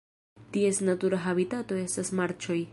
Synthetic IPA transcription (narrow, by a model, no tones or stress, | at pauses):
tie̞snatuɾaɦabitato̞e̞stasmaɾt͡ʃo̞j